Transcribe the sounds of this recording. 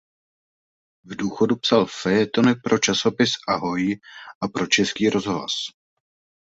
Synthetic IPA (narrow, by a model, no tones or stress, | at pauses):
vduːxo̞dupsalfɛɛt̪o̞nɪpɾo̞t͡ʃaso̞pɪsʔaɦo̞jʔapɾo̞t͡ʃɛskiːɾo̞zɦla̰s